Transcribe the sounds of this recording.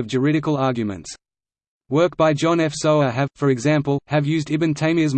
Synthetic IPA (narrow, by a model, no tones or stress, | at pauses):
ʌvd͡ʒə˞ɪɾɨkəlˠɑɹɡjɨmɨ̰̃nts | wɜˑ˞k̚b̥aɪd͡ʒɑ̃nɛfsoʊəɨv̥fə˞ɨɡzæ̃mpəlˠɨvjʉːzdɪbɨ̃ntʰẽɪ̃miəzm